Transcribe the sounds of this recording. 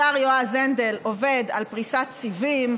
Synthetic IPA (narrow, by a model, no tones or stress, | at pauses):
aʁjoazend̪eloved̪alpʁisat̪t͡sivim